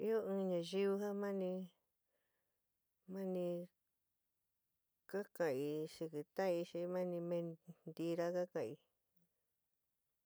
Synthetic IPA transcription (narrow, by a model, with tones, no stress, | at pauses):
i˦o˦ɨ̃ː˧ɲã˨˧ʒi˦βɨ˧ɦa˦mã˦nĩ˧ | mã˦nĩ˧ | ka˦kã˨i˧ʂi˧kɨ˨t̪a˦i˧ʃi˧mã˦nĩ˧mẽ˧nnd̪i˧ɾa˦ka˦kã˧i˧